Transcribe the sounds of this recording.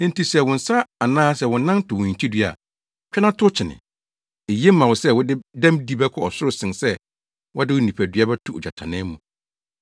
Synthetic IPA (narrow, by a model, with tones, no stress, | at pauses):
ñ̩˦n̩˦ti˨sɛ˨wʊ̃˨n̩˨sa˦a˨nãː˦sɛ˨wʊ̃˨˦nã˦ntʰʊ˨wʊ̃˨ɲ̩˨t͡ɕʰi˦dɥa̰˨ | pᶣɛ˦nã˦tʰʊ˦t͡ɕʰɪ˨nɪ̰̃˨ | e˨je˦m̩˦mã˨wʊ˨sɛ˦wʊ˦dɪ˦dã˦mdi˦bɛ˦kʰɔ˨ɔ˨sʊ˦ɾʊ˨˦sɪ̃˨nsɛ˦ | wʔɔ˦dɪ˦wʊ˦nĩ˨pʰæ˨dɥa˦bɛ˦tʰʊ˨d͡ʑᶣa˨tʰã̰˨nɪ̃˦mũ˨